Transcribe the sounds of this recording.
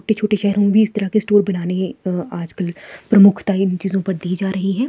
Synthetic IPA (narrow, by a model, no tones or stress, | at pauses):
oːʈet͡ʃʰoːʈeʃɛɦɾõbʱiɪst̪ɐɾakesʈoːɾbɐnaːneaːd͡ʒkəlpɾɐmʊkʰt̪aɪnt͡ʃiːzõpɐɾd̪iːd͡ʒaːɾɐɦiɦɛː